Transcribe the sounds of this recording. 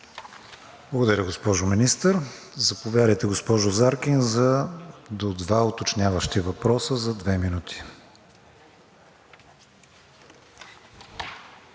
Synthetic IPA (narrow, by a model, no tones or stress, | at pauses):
blˠɐɡʊd̪ɐɾʲəɡospɔʒʊminist̪əɾ | zɐpovʲjad̪əjt̪ɛɡospɔʒʊzaɾkinzɐd̪od̪vaʊt̪ot͡ʃnʲavəʃt̪ivɐpɾɔsəzɐd̪vɛminut̪ʰi̥